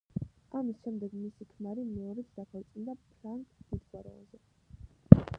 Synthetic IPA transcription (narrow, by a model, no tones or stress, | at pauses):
amisʃɛmd̪ɛɡmisikʰnaɾimɛɔɾɛt̪sʰd̪akʰaɾt̪sʼind̪apʰɾaŋkʼd̪̥id̪ɡwaɾɛ̰ɔ̰nzɛ